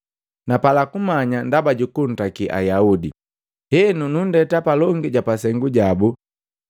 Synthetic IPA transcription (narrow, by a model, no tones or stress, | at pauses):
napalakumaɲandabaɟukun̩takiʔa̰jaudḭ | hɛnunundɛtapalɔŋɡiɟapasɛŋɡuɟabu